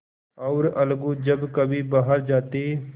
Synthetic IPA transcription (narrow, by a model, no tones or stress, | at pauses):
ɔːɾɐlɡud͡ʒəbkəbʱibaːɦəɾd͡ʒaːt̪eː